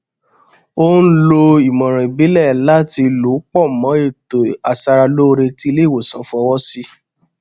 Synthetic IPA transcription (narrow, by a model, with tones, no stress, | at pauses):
o˦n̩˦lo˧i˨mɔ̃˨ɾ̃ɛ̃˨bi˨˦lɛ˦˨la˦ti˧lu˨˦k͡pɔ˦˨mɔ̃˨˦e˦˨to˨a˨sa˧ɾa˧lo˦˧ɾe˧ti˦le˦˨wo˨sɔ̃˨˦fɔ˧˦wɔ˦si˦